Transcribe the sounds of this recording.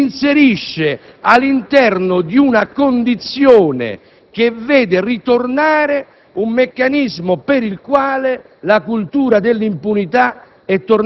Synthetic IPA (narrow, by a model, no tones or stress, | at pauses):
inseɾiʃːɪ | alːint̪ɛrnʊd̪iunakond̪it̪sːjoːnɪ̰ | k̟evːɛːd̪ɪrit̪ornaːɾɪ | umːekːanizmʊpɪɾilkwaːlɪ | lakult̪uːɾad̪ɪlːimpunit̪a | ɛt̪ːor